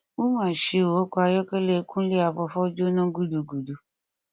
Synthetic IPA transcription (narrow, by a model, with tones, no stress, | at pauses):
wu˦mãː˦˨ʃe˧˨wo˨˦kɔ˦a˧jɔ˦kɛ˦le˦kũ˦le˦a˨ɸɔ˧fɔ˦d͡ʒo˦nã˦ɡu˦du˨ɡu˨du˨